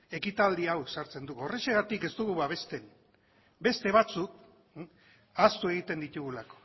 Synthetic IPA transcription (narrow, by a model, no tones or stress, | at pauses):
e̞kit̪ald̪iawsaɾt͡se̞nd̪uɣoreseɣat̪ike̞zt̪uɣuβaβe̞st̪e̞n | be̞st̪e̞β̞at͡suk̚ | ast̪ue̞ɣ̞it̪e̞nd̪it̪uɣulako̞̥